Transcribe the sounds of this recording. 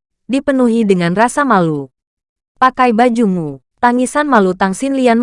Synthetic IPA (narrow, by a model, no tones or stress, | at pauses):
dipənuɦidəŋanrasamalu | pakajbad͡ʒumu | t̪aŋisanmalut̪aŋsinlian